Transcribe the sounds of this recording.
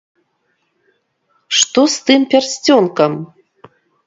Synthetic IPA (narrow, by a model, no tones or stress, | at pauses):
ʂt̪ost̪ɨmpʲɛrsʲt͡sʲonkəm